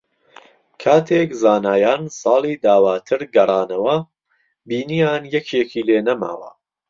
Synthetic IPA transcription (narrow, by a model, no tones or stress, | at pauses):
kʰaːt̪ʰeːkzaːnaːjaːnsɑːlˠiːd̪aːwaːt̪ʰɨɾɡɐrˤɑːnɐwɐ | biːnijaːnjɛkʰekʰiːleːnɐma̰ːwɐ̰